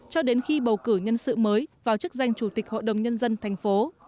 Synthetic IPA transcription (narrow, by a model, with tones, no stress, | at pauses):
t͡ɕɔ˧ɗe˨˦nxi˧ɓə˨˩wkɨ˧˩ɲə˧nsɨ̰˧˨məː˨˦jvaː˨˩wt͡ɕɨ˦˥k̚za˧jŋ̟t͡ɕu˧˩t̪ï˨˩k̟̚ho̰˧˨ɗə˨˩wŋ͡mɲə˧nzə˧nt̪ʰa˨˩jŋ̟fo˨˦